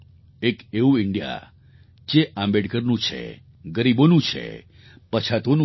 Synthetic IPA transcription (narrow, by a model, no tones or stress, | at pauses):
ekeũɪɳɖija̰ | d͡ʒeʔãmbeɖkəɾnũt͡ʃʰḛ | ɡəɾibonũt͡ʃʰḛ | pət͡ʃʰat̪onũ